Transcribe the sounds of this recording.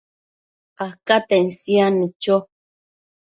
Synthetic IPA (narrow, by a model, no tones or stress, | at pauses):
ahkat̪ensianut͡ʃo